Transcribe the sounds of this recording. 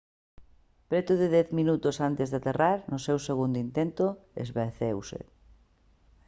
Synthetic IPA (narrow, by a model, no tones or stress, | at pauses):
pɾet̪ʊðɪðɛθminut̪ʊsant̪ezðat̪eraɾnʊsewseɣund̪ouint̪ent̪ʊḛzβeɾθewsɪ̰